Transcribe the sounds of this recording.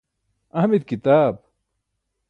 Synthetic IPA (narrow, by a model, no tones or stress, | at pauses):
ɐhmid̪kit̪aːb̚